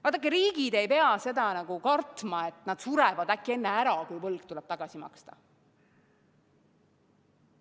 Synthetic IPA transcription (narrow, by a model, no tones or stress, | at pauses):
vɑːt̪ːˑɑkːˑeɾiːɡ̥id̪̥e̞jpe̞ɑse̞d̪̥ɑnɑɡ̥ukɑrt̪mɑet̪ːˑnɑd̪̥suɾɛvɑd̪ækːˑie̞nːeæɾɑkujvɤlɡ̥̚t̪ulɛb̥̚t̪ɑɡ̥ɑsimɑ̰kst̪ɑ̥̰